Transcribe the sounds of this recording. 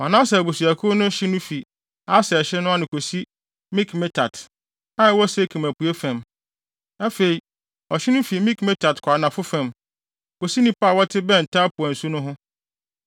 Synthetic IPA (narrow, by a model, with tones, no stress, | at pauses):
a˨nãː˦s̬ɛ˨bu˨su˨æ˨kʰʊ˦nʊ̃˦ɕɪ˦nʊ̃˦fi˨ | a˦sɛ˨ɕɪ˦nʊ̃˦a˦nɪ̃˨kʰo˨si˦ | mĩ˦kʰme˦tʰa˨t | a˦˨˦wɔ˦sɛ˦kʰĩ˨mæ˨pʰu˨e˦fã˨m | a˦fe˨i˨ | ɔ˨ɕɪ˦nʊ̃˦fi˨mĩ˦kme˦tʰa˨tkʰa˨nã˨fʊ˦fã˨m | ko˨si˦nĩ˦pa˦˨wɔ˦tʰɪ˦bɛ̃˦˨n̩˨tʰa˦pʰʊ˨æ˨n̩˨su˦nʊ̃˦ɦʊ̃˦